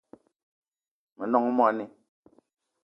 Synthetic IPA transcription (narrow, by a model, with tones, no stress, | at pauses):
mɛ˨nɔ˦˨ŋ˦mwɔ˦˨˦nɛ˨